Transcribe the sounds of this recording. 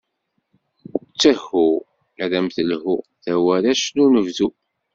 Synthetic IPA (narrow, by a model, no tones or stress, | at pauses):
t͡sːəhu | ɾæmθəlɦuθæwæɾæʃnunəvðu